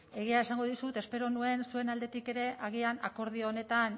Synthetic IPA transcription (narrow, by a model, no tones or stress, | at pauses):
e̞ɣ̞iaesaŋɡo̞ðusut̪e̞spe̞ɾo̞nue̞nsue̞nald̪e̞t̪ike̞ɾe̞ʔaɣ̞iana̰ko̞ɾð̞ione̞t̪an